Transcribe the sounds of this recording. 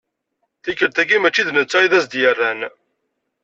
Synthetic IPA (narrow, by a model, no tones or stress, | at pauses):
θikːəlt̪æɡimæt͡ʃːiðnət͡sːaiðæzd̪jərːæn